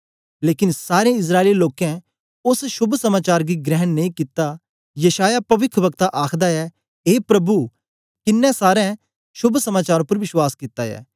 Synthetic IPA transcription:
leːkɪnsaːɾẽɪs̬ɾaːeliloːkɛ̃ | ʊsʃʊbʱsɐmaːt͡ʃaːɾɡiɡɾɛɦənːẽĩkɪt̪ːa | jɐʃaːjapɐʋɪkʰʋɐkt̪aʔaːkʰd̪aɛ | eːpɾɐbu | kɪnːɛ̃saːɾɛ̃ | ʃʊbʱsɐmaːt͡ʃaːɾõpɐɾʋɪʃwaːskɪt̪ːajɛ̰ː

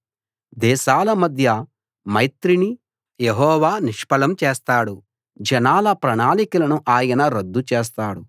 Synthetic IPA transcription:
d̪ɛːʃaːlɐmɐd̪ʱjɐ | mɐjt̪ɾini | jeɦɔːʋaːniʂpɐlɐmt͡ʃeːst̪aːɽu | d͡ʒɐnaːlɐpɾɐɳaːlikulɐnuʔaːjɐnɐɾɐd̪ːut͡ʃeːs̬t̪aːɽu

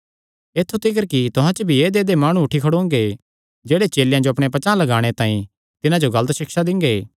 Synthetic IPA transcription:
eːt̪ʰːut̪ʰɪk̬əɾkit̪ʊɦãt͡ʃəbʱieːd̪eːd̪emaːɽ̃uʊʈʰːikʰɐɽõːŋ̆ɡe | d͡ʒeːɽet͡ʃeːljãd͡ʒoɐpɽ̃epɐt͡ʃãːlɐɡaːɽ̃et̪ãːĩ | t̪ɪnãd͡ʒoɡɐlət̪ʃɪkʃad̪ɪ̃ŋɡeː

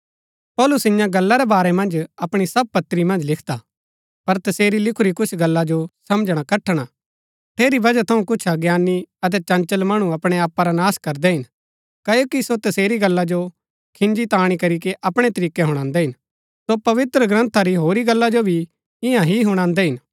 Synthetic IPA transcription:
pɔːlʊsɪjãɡɐlːaɾɛbaːɾɛmɐ̃nd͡ʒɐpɽ̃isɐb̚pɐt̪ɾimɐ̃nd͡ʒlɪkʰd̪a | pɐɾt̪ɐseːɾilɪkʰuɾikʰʊt͡ʃʰɡɐlːad͡ʒosɐmd͡ʒɽ̃akɐʈʰːɽ̃a | ʈʰeːɾibɐd͡ʒat̪ʰɐũkʊt͡ʃʰaɡjaːnːiɐt̪̬ɛt͡ʃɐ̃nt͡ʃəlmɐɽ̃ũɐpɽ̃eaːpːaɾanaːskɐɾd̪ɛɦɪn | kɐjoːkisot̪ɐseːɾiɡɐlːad͡ʒo | kʰɪ̃nd͡ʒit̪aːɽ̃ikɐɾik̬eʔɐpɽ̃et̪ɐɾiːkːeɦʊɽ̃ãːnd̪ɛɦɪn | sopɐʋɪt̪ɾəɡɾə̃nt̪ʰaɾiɦoːɾiɡɐlːad͡ʒobʱi | ɪ̃jãɦiɦʊɽ̃ãːnd̪ɛɦɪn

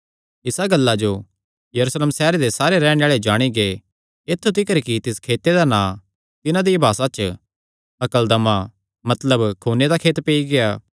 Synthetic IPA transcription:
ɪsaɡɐlːad͡ʒo | jɐɾusleːmsɛːɾed̪esaːɾeɾɛːɽ̃ẽaːɭed͡ʒaːɽ̃iɡeː | eːt̪ʰːut̪ɪkəɾkit̪ɪskʰeːt̪ed̪anãː | t̪ɪnãd̪ibʱaːsat͡ʃ | ɐkəld̪ɐma | mɐt̪ləbkʰuːned̪akʰeːt̪peiɡeaː

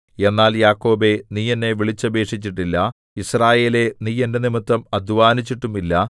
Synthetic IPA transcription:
e̞nːaːljaːkːo̞ːbe̞niːjenːe̞ʋiɭit͡ɕːɐbe̞ːʂit͡ɕːiʈːilːɐ | israːje̞ːle̞niːjende̞nimit̪ːɐmɐd̪ʱuʋaːnit͡ɕːiʈːumilːɐ

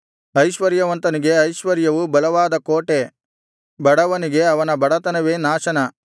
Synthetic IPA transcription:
ɐjʃʋɐɾjɐʋɐnt̪ɐniɡe̞ɐjʃʋɐɾjɐʋubɐlɐʋaːd̪ɐkoːʈe | bɐɽɐʋɐniɡe̞ɐʋɐnɐbɐɽɐt̪ɐnɐʋeːnaːʃɐnɐ

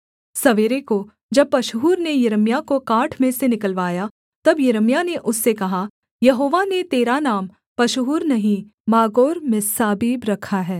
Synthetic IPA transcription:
sɐʋeːɾeko | d͡ʒɐb̚pɐʃɦuːɾnejɐɾəmijakokaːʈʰmẽsenɪkəlʋaːja | t̪ɐbjɐɾəmjaneʔʊsːekɐɦa | jɐɦoːʋanet̪eːɾanaːm | pɐʃɦuːɾnɐɦĩ | maːɡoːɾmẽsaːbiːbɾɐkʰaɦɛː

